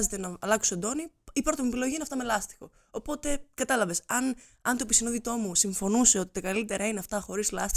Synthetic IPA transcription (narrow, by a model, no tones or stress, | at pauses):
ze̞t̪enɐːlɐku̥sd̪o̞ni | ipɾo̞t̪omiepilo̞ʝinɐft̪ɐme̞lɐst̪i̥xo̞ | opo̞t̪e̞kɐt̪ɐlɐve̞sɐn | ɐnt̪opisinoðit̪o̞musiɱfo̞nuse̞o̞t̪i̥t̪ɐkɐlit̪e̞ɾɐineɐft̪ɐxo̞ɾizlɐst̪i